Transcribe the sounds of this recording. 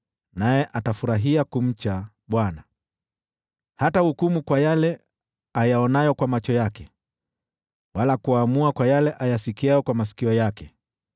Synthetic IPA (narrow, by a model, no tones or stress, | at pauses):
najɛʔatafuɾaɦiakum̩t͡ʃa | ɓwana | hatahukumukwajalɛ | ajaɔnajɔkwamat͡ʃɔjakɛ | walakuamuakwajalɛʔajasikiajɔkwamasi̥kiɔjakɛ